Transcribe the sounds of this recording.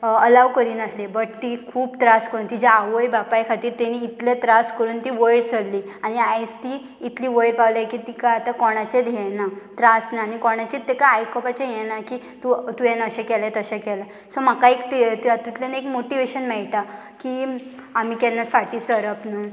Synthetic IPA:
əlaʋkəɾiːnat̪ʰlebəʈt̪ikʰuːbt̪ɾaskəɾuːnt̪id͡ʑaaʋəjbapajkʰat̪iːɾt̪eniːt̪let̪ɾaskəɾuːnt̪iːʋəjɽsəɽliːañiajd͡zt̪iː | t̪liːʋəjɽpawlajkit̪ikaat̪akɔɽ̃at͡ɕed̪ʱjɛ̃nat̪ɾasnaːnikɔɽ̃at͡ɕit̪ːekaajkɔpat͡ɕẽjɛnaki | t̪ut̪ujɛnəɕẽkɛlet̪əɕɛkɛla | sɔm̤akaekt̪it̪t̪it̪ljanaekmoʈiʋeɕənmɛɭʈa | kiam̤iːkɛnːafaʈiːsəɾəpnə

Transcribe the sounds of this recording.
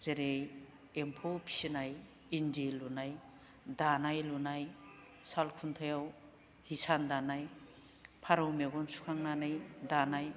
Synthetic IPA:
zeɾej | empʰopʰi̥sinaj | indilunaj | danajlunaj | salkʰuntʰajaw | hisandanaj | pʰaɾawmeɡɔnsu̥kʰaŋnanajdanaj

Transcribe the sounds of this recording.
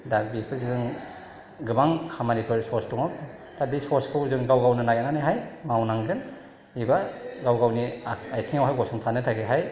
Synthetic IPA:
dabikʰɯziɡɯŋ | ɡɯbaŋkʰamanipʰɯɾsɔstuŋaw | d̥abisɔskʰɯwzɯŋɡawɡawnɯnajananɯjɦajmawnaŋɡɯn | ibaɡawɡawniajtʰiŋawɦajɡɔsʰuŋtʰanɯtʰaɡeɦaj

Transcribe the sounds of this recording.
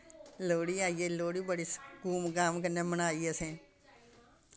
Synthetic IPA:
loːɽiːaːiːeːloːɽiːbəɽiːskuːmɡaːmkəneːmənaːiːesẽː

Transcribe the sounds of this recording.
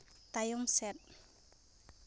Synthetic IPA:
t̪ajʊmsɛt̪̚

